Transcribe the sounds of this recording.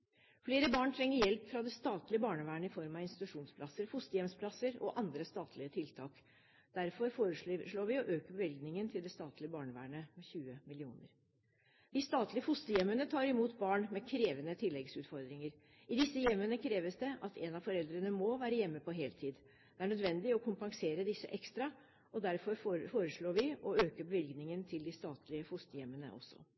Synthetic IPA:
fleːɾəbɑːɳt̪ʰɾɛŋːəɾjɛlpfɾɑd̪ɛst̪ɑːt̪lɪəbɑːɳəʋæːɳəɪfɔɾmɑʋɪnst̪ɪt̪ʉʂuːnspʰlɑsəɾfʊst̪əjɛmspʰlɑsəɾɔ̰ʔɑnd̪ɾəst̪ɑːt̪ʰlɪət̪ʰɪlt̪ʰɑːk | d̪̥æɾfɔɾfoːɾəʂʂɭoːʋɪɔʔøːkəbəʋɪlɡnɪŋənt̪ʰɪld̪ɛst̪ɑːt̪lɪəbɑːɳəʋæ̰ːɳəmɛçʉːəmɪlɪuːnə̰ɾ | d̪̥ɪst̪ɑːt̪lɪəfʊst̪əjɛmːənət̪ʰɑːɾɪmuːt̪bɑːɳmɛkʰɾeːʋənət̪ʰɪlːɛɡsʉːt̪fɔɾd̪ɾɪŋəɾ | ɪd̪ɪsːəjɛmːənəkʰɾeːʋəsd̪ɛʔɑt̪ʰɛnɑʋfɔɾɛld̪ɾənəmɔʋæːɾəjɛmːəpʰɔɦeːlt̪ʰiːd̪ | d̪̥ɛæɳœd̪ʋɛnd̪ɪɔkʰʊmpɑŋseːɾəd̪ɪsːə̰ʔɛkst̪ɾɑ | ɔd̪æɾfɔɾffoːɾəʂɭoːɾʋɪɔøːkəbəʋɪlɡnɪŋənt̪ʰɪld̪ɪst̪ɑːt̪ʰlɪəfʊst̪əjɛmːənə̰ʔɔ̰sːɔ̰

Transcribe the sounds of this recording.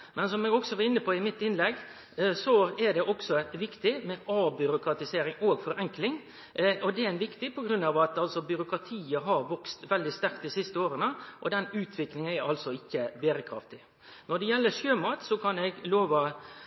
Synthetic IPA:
mʔɛnsɔmɛɡɔksɔʋɑɾɪnːəpʰɔɪmɪt̪ːɪnlɛɡː | sɔɛɖ̪ɛʔɔksɔʋɪkt̪ɪmɛʔɑːbʏɾʊkɾɑt̪ɪseːɾɪŋoːɡfɔɾɛŋklɪŋ | ɔd̪ɛɪnʋɪkt̪ɪpʰɔɡɾʉnːɑːʋɑt̪ɑlsɔbʏɾʊkʰɾɑt̪ʰiːəɦɑɾʋɔkst̪ʋɛld̪ɪst̪æɾkt̪̚d̪isɪst̪əoːɾənəʔɔ̰d̪ɛnʉːt̪ʰʋɪklɪŋənɛɾɑlsɔɪçːəbeːɾəkʰɾɑ̰ft̪ɪ | nɔɖ̪ɛjɛlːəʂøːmɑːt̪sɔkʰɑnɛɡloːʋɑ

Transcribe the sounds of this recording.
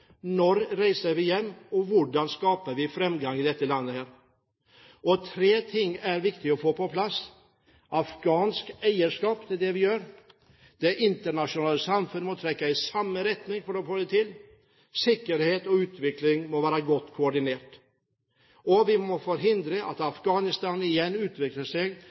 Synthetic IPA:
nɔɾɾæɪsəɾʋɪjɛmːɔʋʊɖɑnskɑːpəɾʋɪfɾɛmɡɑŋɪd̪ɛt̪ːəlɑnːəhæːɾ | ɔt̪ʰɾeːt̪ʰɪŋːæɾʋɪkt̪ɪɔfoːpɔpʰlɑs | ʔɑfɡ̥ɑːnskæɪəʂkɑːpd̪ɛd̪ɛʋɪjøːɾ | d̪̥ɛʔɪnt̪əɳɑʂʊnɑːlːəsɑmfʉnmɔt̪ʰɾɛkːaɪsɑmːəɾɛt̪nɪŋfɔɖɔfoːd̪ɛt̪ʰɪlː | sɪkːəɾheːt̪ɔʉːt̪ʋɪklɪŋmɔʋæːɾɑɡɔt̪ːkʰʊɔɖɪneːʈ | ɔʋɪmɔfɔɾɦɪnd̪ɾəʔɑt̪ɑfɡɑːnɪst̪ɑːnɪjɛnːʉːt̪ʋɪkləʂɛɡ

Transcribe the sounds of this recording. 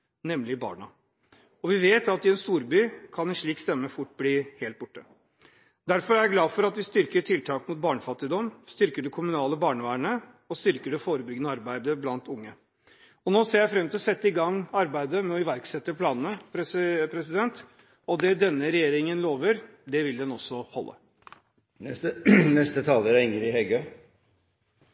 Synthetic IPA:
nɛmlɪbɑ̰ːɳɑ | ɔʋɪʋeːt̪ɑt̪ɪɛnst̪uːɾbyːkʰɑnɛnʂɭiːkst̪ɛmːəfʊʈːbliːheːlt̪̚bʊʈːə | d̪æɾfɔɾæɾɡlɑːfɔɾɑt̪ʋɪst̪ʏɾkəʈʰɪlt̪ʰɑːkmʊt̪̚bɑːɳəfɑt̪ːɪd̪ɔmst̪ʏɾkəɖɛkʰʊmʉnɑːləbɑːɳəʋæːɳə | ɔst̪ʏɾkəɖɛfoːɾəbʏɡnəɑɾbæɪd̪əblɑnt̪ʊŋːə | ɔnoːseːɾjæɪfɾɛmt̪ʰɪlsɛt̪ːəɪɡɑŋːɑɾbæɪd̪əmɛɔɪʋæɾksɛt̪ːəpʰlɑːnənəpʰɾɛpʰɾɛsɪd̪ɛnt̪ | ɔd̪ɛd̪ɛnːəɾɛjeːɾɪŋənloːʋəɾ | d̪ɛʋɪld̪ɛnɔsːɔhɔ̰lːʔə̰ | nɛst̪ət̪ʰɑːləɾɪŋəɾɪhɛɡø

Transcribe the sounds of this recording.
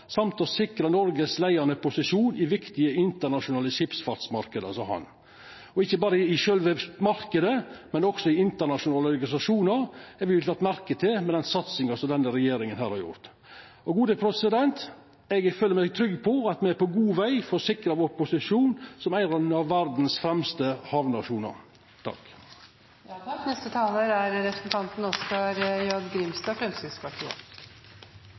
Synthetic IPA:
sɑmt̪ɔsɪkɾɑnɔɾɡəslæɪɑnəpʰʊsɪʂuːnʔɪʋɪkt̪ɪəɪnt̪əɳɑʂʊnɑːləʃɪpsfɑɾt̪smɑɾkəd̪ə̰sɔhɑ̰n | ɔɪçːəbɑːɾəɪʃœlʋəmɑɾkəd̪əmɛnɔksɔɪɪnt̪əɳɑʂʊnɑːləɔɾɡɑnɪsɑʂuːnɑɾɛʋɪt̪ɑt̪ːmæɾkət̪ʰɪlmɛd̪ɛnsɑt̪sɪŋɑsɔmd̪ɛnːəɾɛjeːɾɪŋənɦæːɾhɑɾjʊ̰ɾt̪ | ɔɡuːd̪əpʰɾɛsəd̪ɛnt̪ | ɛɡføːləmæɡt̪ʰɾʏɡpʰɔɑt̪mɛæɾpʰɔɡuːʋæɪfɔʂɪkɾɑʋoʊɾpʊsɪʂuːnsɔmæɪɾɑd̪nɑʋʋæɾd̪n̩sfɾɛmst̪əhɑʋnɑʂuːnɑ̰ɾ | t̪ʰɑ̰k | nɛst̪ət̪ʰɑːləɾæɾɾɛpɾəsnt̪ʰɑnt̪n̩ɔskɑɾjɑd̪ɡɾɪmst̪ɑːfɾɛmsɪsʰpɑʈʰḭːə̰

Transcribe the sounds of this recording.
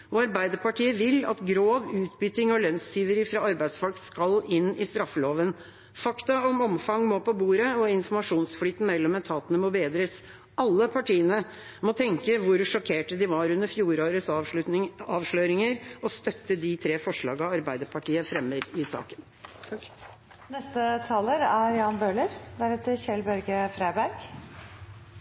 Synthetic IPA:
ɔɑɾbæɪd̪əpɑʈiːəʋɪlːɑ̰t̪ɡɾoːʋʉːt̪bʏt̪ɪŋɔlœnst̪iːʋəɾɪfɾɑɑɾbæɪd̪sfɔlkskɑlɪnɪst̪ɾɑfːəloːʋən | fɑkt̪ɑɔmɔmfɑŋmoːpɔbuːɾəɔɪnfɔmɑʂuːnsflyːt̪n̩mɛlːɔmɛt̪ʰɑːt̪ənəmɔbeːd̪ɾəs | ʔɑlːəpʰɑʈiːənə | mɔt̪ʰɛŋkəʋʊɾʂɔkʰeːʈəd̪ɪʋɑɾʉnd̪əɾfjuːɾoːɾəs | ɑːʋʂɭœʏɾɪŋəɾɔst̪œt̪ːəd̪ɪt̪ʰɾeːfɔʂɭɑ̰ːɡɑɑɾbæɪd̪əpʰɑʈiːəfɾɛmːəɾɪsɑ̰ːkən | nɛst̪ət̪ʰɑːləɾæɾjɑːnbøːləɾd̪æɾɛt̪əɾçɛlbœɾɡəfɾæɪbæɾɡ̥

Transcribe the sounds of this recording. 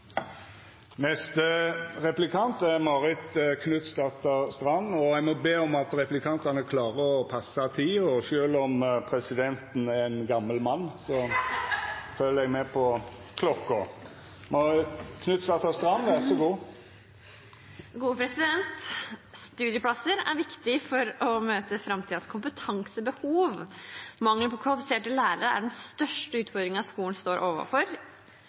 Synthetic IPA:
nɛst̪əɾɛplɪkʰɑnt̪æɾmɑɾɪt̪kʰnʉt̪st̪ɑt̪ʰɑst̪ɾɑnːɔɛɡmɔbeːɔmɑt̪ɾɛplɪkʰɑnt̪ɑnəkʰlɑːʁəɔpʰɑsːɑt̪ʰiːɔʃøːlɔmpʰɾɛsɪd̪ɛnt̪n̩ɛʁɛnɡɑmːəlmɑnːsɔ | fœləɛɡmɛpʰɔkʰlɔkːɔ | mɔkʰnʉt̪sɑt̪ʰɑst̪ɾɑmːʋæʁsɔɡuː | ɡuːəpʰɾɛsɪd̪ɛnt̪st̪ʉːd̪ɪəpʰlɑsəɾæ̰ɾʋɪkt̪ɪfɔɾɔmøːt̪əfɾɑmt̪ʰiːd̪ɑskʰʊmpət̪ʰɑŋsəbəhuːʋmɑŋːləpʰɔkʰʋɑlɪfɪseːʈəlæːɾəɾəæ̰ɖɛnst̪œʂʈəʉːt̪fɔɾd̪ɾɪŋɑskuːln̩st̪oːɾʔoːʋə̰fɔɾ

